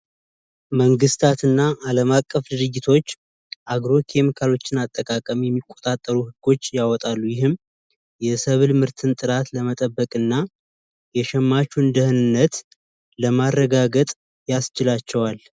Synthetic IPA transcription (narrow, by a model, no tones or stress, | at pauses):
məŋɡɨst̪ʰat̪ɨnːaʔaləmakʼːəfd̪ɨɾɨɡːɪt̪ʰo̞t͡ʃː | ʔaɡɾo̞kʰe̞mikʰalo̞t͡ʃːɪnat̪ʼːəkʼakʼəmjɛmːikʼːo̞t̪ʼat̪ʼːəɾuhɨɡːo̞t͡ʃːjawɔt̪ʼalːujɪɦɨm | jɛsəβɨlmɨɾt̪ʰɨnt̪ʼɨɾat̪ləmət̪ʼəbːəkʼɨnːa | jɛʃɛmːat͡ʃund̪əhɨnɨnːət̪ | ləmarːəɡaɡət̪ʼ | jast͡ʃɪlat͡ʃːɛwal